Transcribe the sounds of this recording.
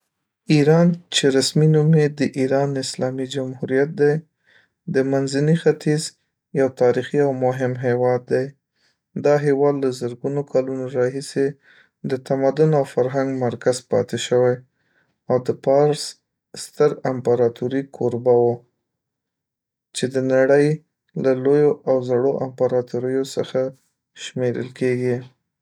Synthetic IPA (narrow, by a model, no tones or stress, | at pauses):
iɾɑnt͡ʃeɾasminumed̪əʔiɾɑnɪslɑmid͡ʒamhuɾijat̪̚d̪aj | d̪əmanzanixat̪iz | jawt̪ɑɾixiawmʊɦɪmɦewɑd̪ːaj | d̪ɑɦewɑd̪lazəɾɡunokʰɑlunoɾɑɦise | d̪ət̪amad̪ʊnawfaɾɦaŋɡmaɾkaz̥pɑ̰t̪eʃəwaj | awd̪əpɑɾs | st̪əɾampaɾɑt̪uɾikʰoɾbawo | t͡ʃed̪ənaɽəj | lalojoʔawzaɽoʔampaɾɑt̪uɾəjosə̰xa | ʃmeɾə̰lkeɡi